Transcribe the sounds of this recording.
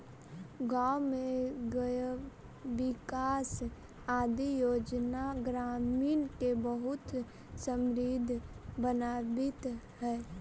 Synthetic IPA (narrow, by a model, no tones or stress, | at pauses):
ɡaːʊmẽɡəj | ʋɪkaːs | aːd̪ijoːd͡ʒnaɡɾaːmiːnkebəɦʊt̪ | sə̃mɾiːd̪ʱbənaːbɪt̪ | ɦɛː